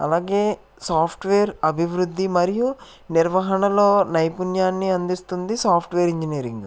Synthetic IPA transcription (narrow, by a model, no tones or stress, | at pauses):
ɐ̰laːɡe̞ː | saːpʰʈʋeːɾɐbʱiʋɾud̪ʱːimɐɾiju | niɾʋɐɦɐɳɐlo̞ːnɐjpunjaːnːiɐnd̪ist̪und̪isaːpʰʈʋeːɾiɲd͡ʒiniːɾḭŋɡ